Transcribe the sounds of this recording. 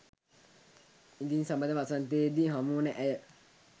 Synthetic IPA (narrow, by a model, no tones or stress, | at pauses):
id̪insambəd̪əʋasant̪ed̪iɦamunəʔæjə